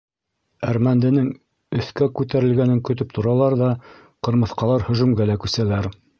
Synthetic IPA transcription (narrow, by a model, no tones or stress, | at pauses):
æɾmænd̪ɘ̆nɘŋ | ɵ̆θkækʉt̪æɾɘ̆lɡænɘŋkɵ̆t̪ɵp̚t̪ʰŏɾɑlˠɑɾðɑ | qɤ̆ɾmɤ̆θqɑlˠɑɾhɵ̆ʒʉ̆mɡælækʉsælæɾ